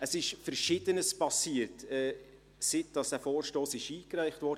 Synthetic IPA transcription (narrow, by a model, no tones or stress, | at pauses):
əsɪʃfɛɾʃɪd̥ənəspɑsiːəɾtɛː | sɪt̚d̥ɑsd̥æːfoːɾʃtoːsɪʃiːkɾæɪχtvɔːɾd